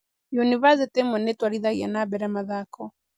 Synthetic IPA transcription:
jɔniβazɛtɛmɛnɛtwaɾiðaia̰nabɛɾamaðakɔ

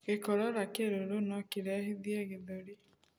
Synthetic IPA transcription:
ɣekɔɾɔɾakeɾoɾonɔkiɾɛɦiðjeɣeðoɾi

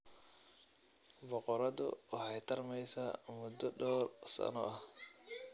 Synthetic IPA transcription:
bɔqɔɾɐd̪ʊhɑjt̪ʰɐrmɛjsɐmʊd̪ɔɖɔwrsɐ̰nɔ̰ʔɐh

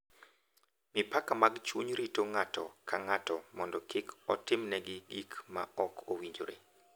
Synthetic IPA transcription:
mɪpakamaɡt͡ʃwuɲɾitoŋatɔkʰaŋatɔmɔndɔkɪkʰɔtɪmnɛɡɪɡikmaɔkʰowiɲd͡ʒo̰ɾḛ

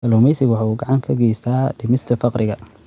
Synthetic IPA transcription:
ɐluːmɛjsɪɣwɑħɑuːɡɑʕɑŋkʰɐɡɛjst̪ʰaːɖɪmɪst̪ʰɐfɑqɾɪɣɐ

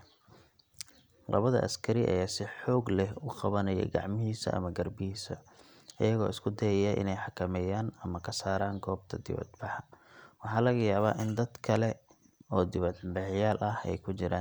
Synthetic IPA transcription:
lɐ̰βɐðɐ̰ʔɐ̰skʰɐɾɪʔɐ̰jaːsɪħɔːɡlɛhʊqɑβɐnɐjɛ̰ɡɑ̰ʕmɪɦiːsɐ̰ʔɐ̰mɐɡɐrbɪhiːsɐ̰ | ʔɐ̰jɐɣɔ̰ːɪskʰʊd̪ɛjɛjɐʔɪ̰nɛjħɑkʰɐmɛːjaːnɐmɐkʰɐsaːɾaːŋɡʰɔːb̚t̪ʰɐd̪ɪ̰βɐ̰d̪bɑħɑwɑħɑːlɐɣɐjaːβaːʔɪnd̪ɐd̪kʰɐlɛ | ɔːd̪ɪβɐd̪bɐħɪjaːlʔɐhɛ̰jkʰʊt͡ʃɪɾaːn

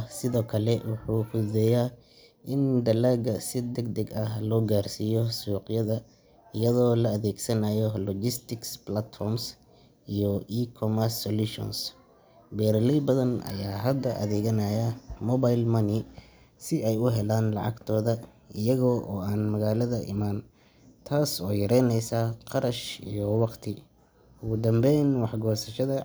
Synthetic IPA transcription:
sɪðɔːkʰɐlɛwɑħuːfʊðɛːjaː | ʔɪnd̪ɐlaːɡɐsɪd̪ɐɡ̚d̪ɛɡɐhlɔːɡaːrsijɔsuːqjɐðɐ | ɪjɐðɔːlɐɐðɛːɡsɐnajɔlɔd͡ʒɪst̪ʰɪksblɐt̪fɔrms | ijɔʔiːkʰɔmɐrsɔluʃɔ̰ns | bɛːɾɐlɛjbɐðɐnʔɐ̰jaːɦɐd̪ːɐʔɐ̰ðɛːɣɐnajɐmɔβajlmɐnɪ | sɪɛjʊɦɛlaːnlɑ̰ʕɑ̰ɡt̪ʰɔːðɐ | ɪjɐɣɔːʔɔːaːnmɐɣaːlɐðɐʔɪ̰maːn | t̪ʰaːsɔːjɐɾɛjnɛjsaqɑɾɐʃḭjɔwɑqt̪ʰɪ | ʊɣʊd̪ɐmbɛjnwɑħɡɔːsɐʃɐðɐ

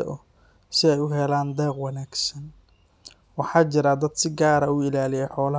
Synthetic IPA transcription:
ɐ̰ʔɔ | sɪɛjʊɦɛlaːnd̪ɛːqwɑnaːɡsɐn | wɑħɑːt͡ʃɪɾɐd̪ɐd̪sɪɡaːɾɐuːɪlaːlɪjɛjħɔːlɐ

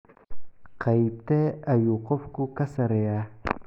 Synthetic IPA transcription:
qʰajp̚t̪eajuqofkukasaɾeja

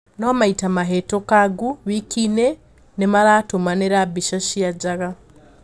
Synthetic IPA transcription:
nomaitamaɦetokaɡuβikine | nemalatomaneɾabiʃaʃijaɟaɣa

